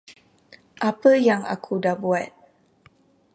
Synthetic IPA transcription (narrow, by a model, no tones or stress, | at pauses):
ʔapəjaŋa̰kʰudabuat̪̚